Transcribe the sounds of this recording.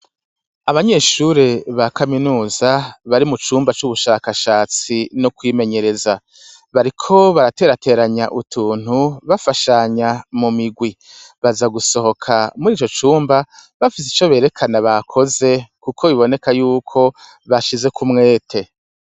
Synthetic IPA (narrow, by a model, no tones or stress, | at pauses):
aβaɲe̞ːʃuɾeβakaminuːzaβaɾimut͡ʃuːmbat͡ʃuβuʃaːkaʃaːt͡sinokwiːme̞ɲe̞ɾe̞za | βaɾikʰo̞βaɾate̞ːɾate̞ːɾaɲaʔutʰuːn̥huβafaʃaɲamumiɡwi | βazaɡuso̞ho̞kʰamuɾiːt͡ʃo̞t͡ʃuːmbaβafis̬i̥t͡ʃo̞βe̞ːɾe̞kʰanaβakʰo̞ze̞kukʰo̞βiβo̞ne̞kajuːkʰo̞ | βaʃize̞kumŋe̞ːtʰe̞